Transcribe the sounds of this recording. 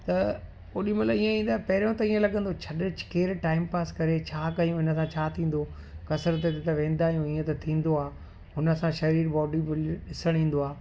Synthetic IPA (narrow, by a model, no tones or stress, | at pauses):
t̪ɐ | oɗĩmɐt̪lɐbiːə̃ĩːnd̪aːɦpɐɦɪɾijõt̪ɐiːə̃lɐɠə̃nd̪ot͡ɕʰɐɗt͡ɕɪ̥keːɾʈaːɪmpaːskɐɾet͡ɕʰaːkɐjũɦɪnəsãt͡ɕʰaːt̪ʰĩːn̆d̪o | kɐsəɾt̪et̪et̪ɐʋẽːn̆d̪aːijũiːə̃t̪ɐt̪ʰĩːn̆d̪oaː | ɦʊnə̆sãʃɐɾiːɾbɔːɖibɪɗɪsəɽ̃ĩːn̆d̪oaː